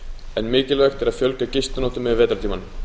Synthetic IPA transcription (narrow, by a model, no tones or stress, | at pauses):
ɛnmɪːcɪlvɛxt̪ɛɾaðfjœlkacɪst̪anɔːht̪ʏmɛvvɛːt̪ɾt̪iːman